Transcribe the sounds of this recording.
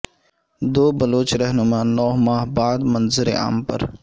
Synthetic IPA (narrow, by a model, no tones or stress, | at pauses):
d̪oːbɐloːt͡ʃɾɐɦnʊmaːnɔːɦmaːɦbaːd̪mɐnzɪɾḛa̰ːmpɐ̰ɾ